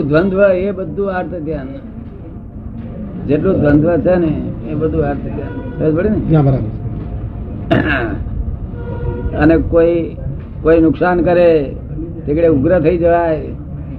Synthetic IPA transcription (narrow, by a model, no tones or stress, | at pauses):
d̪ʋənd̪ʱʋəebəd̪ʱːũaɾt̪ət̪jan | d͡ʒeʈlũd̪ʱʋənd̪ʱʋət͡ʃʰeneːbəd̪ʱũaɾt̪ət̪janseəd͡ʒbəɽineãbəɾabə | ənekoi | koinʊksankəɾe | t̪ekɽeuɡɾət̪ʰəid͡ʒəʋae